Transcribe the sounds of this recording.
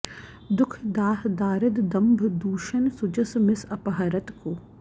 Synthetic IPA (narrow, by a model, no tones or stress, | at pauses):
d̪ʊkʰd̪aːɦd̪aːɾɪd̪d̪ɐ̃mbʱd̪uːʃɐnsʊd͡ʒɐsmɪsɐpɐɦɐɾɐt̪koː